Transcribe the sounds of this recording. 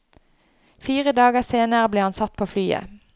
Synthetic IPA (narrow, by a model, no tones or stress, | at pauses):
fiːʁəd̪ɑːɡəseːnəʁəbleːhɑnsɑt̪̚pʰoːflyːə̰